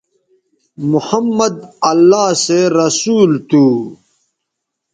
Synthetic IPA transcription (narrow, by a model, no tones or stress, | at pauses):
muhɐmːɐd̪ɐlːaːseɾɐsuːlt̪uː